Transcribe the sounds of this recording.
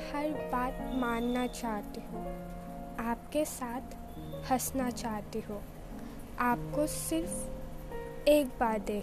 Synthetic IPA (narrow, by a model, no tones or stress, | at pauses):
hɐɾbaːt̪̚mãːnːat͡ʃaːɦt̪iɦũː | aːp̚kesaːt̪ʰ | hɐsnat͡ʃaːɦt̪iɦõː | aːp̚kosɪɾf | eːkbaːɾd̪eː